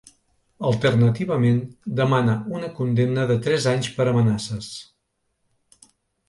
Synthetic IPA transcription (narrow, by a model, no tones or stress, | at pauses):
əlˠt̪ərnət̪iβəmend̪əmanəunəkund̪emnəðət̪ɾɛzaɲspəɾəmənasəs